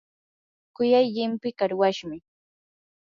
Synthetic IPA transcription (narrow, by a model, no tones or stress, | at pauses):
kʊjajʎɪmpɪkaɾwaʃmɪ